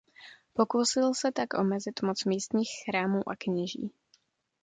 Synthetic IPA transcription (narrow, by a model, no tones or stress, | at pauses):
po̞kusɪlsɛt̪akʔomɛzɪt̪mot͡smiːst̪ɲiːxxɾaːmuːʔakɲɪʒḭː